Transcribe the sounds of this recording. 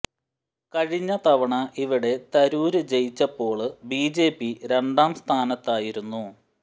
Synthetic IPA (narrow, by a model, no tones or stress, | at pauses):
kɐɻiɲːɐt̪ɐʋɐɳɐʔiʋiɽe̞t̪ɐɾuːɾɨt͡ɕe̞jit͡ɕːɐpːo̞ːɭɨbiːd͡ʑe̞ːpːiɾe̞ɳɖaːmst̪ʰaːnɐt̪ːaːjiɾunːu